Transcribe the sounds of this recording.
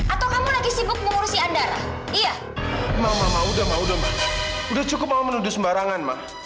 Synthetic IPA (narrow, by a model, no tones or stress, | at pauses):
at̪awkamulaɡisibʊk̚məŋuɾusiandaɾa̰ | ija | mamamaudamaudamaudaht͡ʃukʊp̚maumənudʊsmbaɾaŋanma̰h